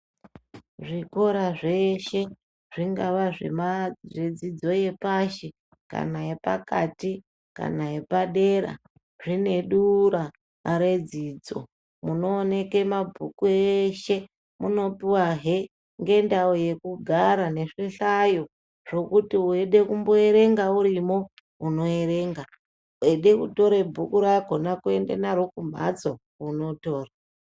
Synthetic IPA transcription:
ʐiko̞ɾaʐe̞ʃe̞ | ʐ̥iŋɡaʋaʐḛmaʐed͡zid͡zo̞je̞paʃe | ka̰nae̞pa̰kati | ka̰naje̞paɗeɾa̰ | ʐine̞ɗuɾaː | ɾe̞d͡ziːd͡zo̞̰ | muno̞ːne̞kemabʱukueʃe̞ | muno̞piwaɦe | ŋɡe̞ndaoje̞kuɡʱaɾane̞ʂiɬajo̞ | ʐ̥o̞kutiueɗe̞kumbo̞e̞ɾe̞ŋɡauɾimo̞ | uno̞eɾe̞ːŋɡa | eɗe̞kuto̞ɾebʱukuɾaɡʱo̞nakue̞ndḛnaɾokumbʱa̰d͡zo̞ | uno̞to̞ːra

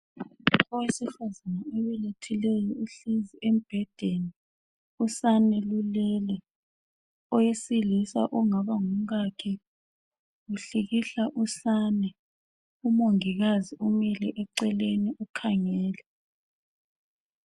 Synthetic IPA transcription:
ɔwesifazanaɛβɛletʰilɛjɔuɬiziʔem̩b̥ʱɛd̥ʱeni | usanɛlulɛːlɛ | ɔjesilisa̰ʔuŋaβaŋum̩ɣakʰɛ | ɣuɬiɣiɬaʔusaːnɛ | umoŋiɣaziʔumɛlɛʔɛǀɛleniʔukʰaŋɛːlɛ

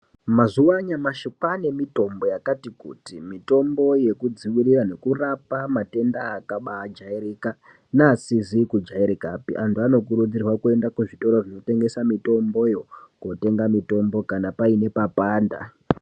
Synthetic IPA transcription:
mazuwaɲamaʃokwane̞mito̞mbo̞jakatikṵtimito̞mbo̞je̞kud͡ziwirirane̞kurapamate̞ndaːkaɓaːd͡ʒaiɾika | nasizikud͡ʒaiɾikapḭʔantuano̞k̬uɾud͡zirwakue̞ndakuʐito̞ɾoʐino̞te̞ŋɡe̞samito̞mbo̞joŋɡote̞ŋɡamito̞mbo̞kanapaine̞papaːnda̰

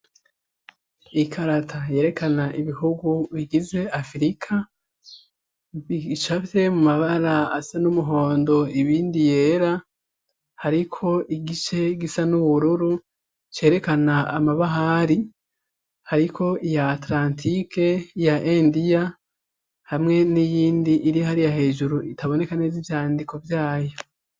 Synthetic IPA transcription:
ikʰaɾatʰaje̞ːɾe̞kʰanaʔiβihuɡuβiɡize̞afɾikʰa | it͡ʃafe̞mumaβaɾaasanumuɦo̞ːndo̞iβiːndije̞ːɾa | haɾikʰo̞ʔiɡit͡ʃe̞ɡisanuβuɾuɾu | t͡ʃe̞ːɾe̞kanaːmaβaɦaɾi | haɾikʰo̞ijaːtlaːntʰikʰe̞ijaʔendija | hamŋe̞nijiːndiʔːɾijohaɾijahe̞ːʒuɾuʔitaβo̞ne̞kanezivjaːndiko̞vjaːjo̞

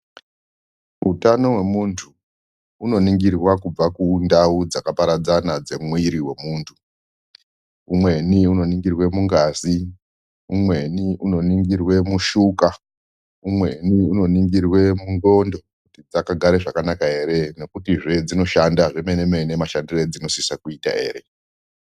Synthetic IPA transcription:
utano̞we̞muntʰu | uno̞niŋɡirwakub͡vakundaud͡zakapaɾad͡zanad͡ze̞mwiiɾiwe̞muːntʰu | umwe̞niuno̞niŋɡirwe̞muŋɡazi | umwe̞niʔuno̞niŋɡirwe̞muʃuka | umwe̞niuno̞niŋɡirwe̞muŋɡo̞ndo̞kutid͡zakaɡʱaɾe̞ʐakanakae̞ɾe̞ne̞kutiʐe̞d͡zino̞ʃandaʐemeneme̞nemaʃandired͡zino̞sisakuita̰e̞̰ːɾe̞

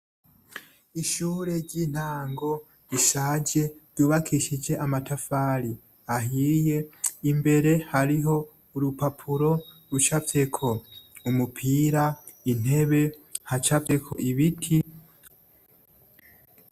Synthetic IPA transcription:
iʃuːɾe̞ɟiːn̥haːŋɡo̞ | iʃaːɟe̞ɾɟuːβakʰiʃid͡ʒe̞ʔamatafaːɾi | aɦiːje̞imbe̞ɾe̞haɾiɦo̞ | uɾupapʰuɾo̞ | ɾut͡ʃave̞kʰo̞umupʰiːɾa | in̥e̞βe̞hat͡ʃave̞kʰo̰ʔiβitʰi

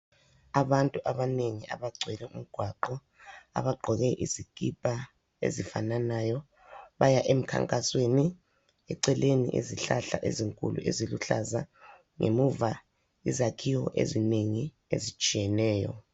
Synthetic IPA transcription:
aβantʼuʔaβaneŋiʔa̰βaɡ͡ǀʱɛlɛʔum̩ɡ̥ʱwaǃɔ | a̰βaɡ͡ǃʱɔɣɛʔiziɡ̥ʼʱipʼa | ḛzifananajɔ | βajaʔem̩kʰa̰ŋkʼasweni | ɛǀɛlenḭʔḛziɬaɬa̰ʔeziŋkʼulṵʔeziluɬaza | ŋʔḛmuva | izakʰiwɔʔḛzineŋi | ḛzit͡ʃʼijɛnɛːjɔ̰

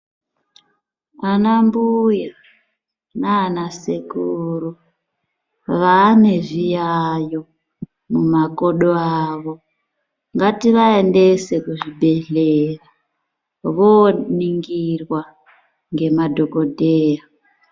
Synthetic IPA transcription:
anambuja | naːnasekuru | ʋane̞ʐijajo̞ | mumako̞ɗoaːʋo̞ | ŋɡatiʋae̞nde̞se̞kuʐibʱe̞ɮera | ʋoniŋɡirwa | ŋɡe̞madʱo̞ko̞dʱeːja

